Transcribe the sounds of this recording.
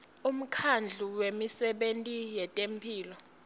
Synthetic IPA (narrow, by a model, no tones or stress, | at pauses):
um̩kʰand͡ɮʱuwemisɛɓentʼijɛtʼempʰiːlɔ